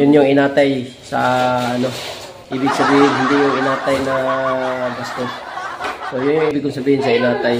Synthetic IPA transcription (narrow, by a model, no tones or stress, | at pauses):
jʊnjʊŋɪnaːt̪aj | sa̰ʔɐno̞ | ʔiːbɪɡ̚sɐbiːhɪnɦɪnd̪ɪjʊŋɪnaːt̪ajnɐ | ɡast̪ossojʊnjʊŋʔiːbɪɡkːʊŋsɐbiːhɪnsɐɪnaːt̪aj